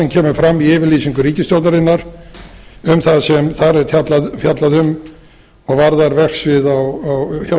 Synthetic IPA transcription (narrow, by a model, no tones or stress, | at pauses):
ɛncʰɛːmʏfɾamːiɪːvɪɾliːsiŋkʏɾiːcɪst̪jowt̪naɾɪnːaɾ̥ | ʏmθaðsɛmθaɾɛɾt̪ʰjat̪laðfjat̪laðʏm | ɔɣvaɾðaɾvɛr̥ksvɪðawawça